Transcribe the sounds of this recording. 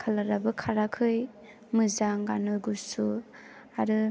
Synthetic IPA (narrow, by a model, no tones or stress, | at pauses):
kʰalaɾabɯkʰaɾakʰɯj | mɯzaŋɡanojɡusu | aɾɯ